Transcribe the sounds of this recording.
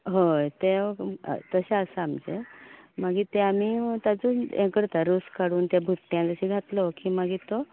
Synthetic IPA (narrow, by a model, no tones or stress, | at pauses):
ɦot̪ḛ | t̪əɕeəsəamd͡ʑemaɡiːt̪eamiːt̪ad͡zuːnẽkəɽt̪aɾuskaɽuːnt̪jabʱut̪ːjãd͡zəɕiɡʱat̪lɔkiːmaɡit̪o